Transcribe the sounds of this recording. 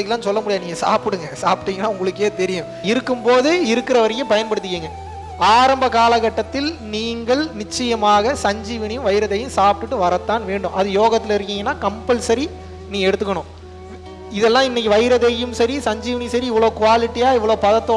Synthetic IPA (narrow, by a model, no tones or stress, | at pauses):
ɐkːɐlãːnsɔlːɐmʊɽɪjaːniːŋɡɐsa̰ːpɪɽɯŋɡɐsaːpʈːiŋɡɐnːaːʊŋɡɐɭɯkːeːt̪ɛɾɪjɯ̃ | ɪɾɯkːɯmpoːðɯɪɾɯkːɪɾɐʋɐɾɐjːɯ̃pɐjɐnpɐɽɯt̪ːɯkːiːŋɡɐ | aːɾɐmbɐkaːlɐkɐʈːɐt̪ːɪlniːŋɡɐɭnɪt͡ʃːɐjɐmaːɣɐsɐɲd͡ʒiːʋɐnɪjɯ̃mʋɐjɪɾɐðɐjɯ̃msaːp̚ʈɯʈːɯʋɐɾɐt̪ːaːnʋeːɳɖɯmʔɐðɯjoːɣɐt̪ːɪlɪɾɯkːɪŋɡɐnːaːkɐmpɐlsɐɾi | niːŋɡɐɛɽɯt̪ːɯkːɐɳʊ̃ | ɪðɛlːãːɪnːɪkːiʋɐjɾɐðɐjɯmsɐɾisɐɲd͡ʒiːʋɐnisɐɾiɪʋːɐɭoːkʊʋaːlɪʈːijaːɪʋːɐɭoːpɐðɐt̪ːoː